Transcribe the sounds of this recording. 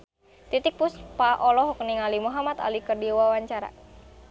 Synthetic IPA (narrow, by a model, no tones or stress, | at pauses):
t̪it̪ɪk̚pʊspaʔɔlɔɦɔk̚niŋalimuɦamat̪a̰likərdiwawaɲt͡ʃaɾa̰